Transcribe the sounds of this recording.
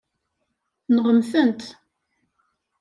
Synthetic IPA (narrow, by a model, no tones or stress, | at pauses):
nəʁəmθənt̪